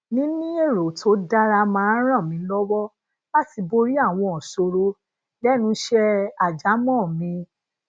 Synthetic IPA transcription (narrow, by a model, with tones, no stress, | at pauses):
nĩ˦nĩ˦e˦˨ɾo˨tʰo˨˦da˦ɾa˧mãː˦ɾ̃ã˦˨mĩ˧˦lɔ˦wɔ˦ | ba˦ti˧bo˧ɾi˦a˦˨w̃ɔ̃˧ɔ˨so˧ɾo˧ | lɛ˦nũ˧˦ʃɛ˦a˨d͡ʒa˨˦mɔ̃˦˨mĩ˧